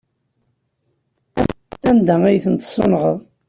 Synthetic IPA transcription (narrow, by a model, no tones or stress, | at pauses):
ænd̪æijθənt̪sˤːo̰nʁəðˤ